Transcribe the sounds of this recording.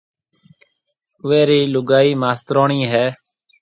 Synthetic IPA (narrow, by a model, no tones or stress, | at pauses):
ʊʋeːɾiːlʊɡaːiːmaːst̪ɾoːɳiːɦɛː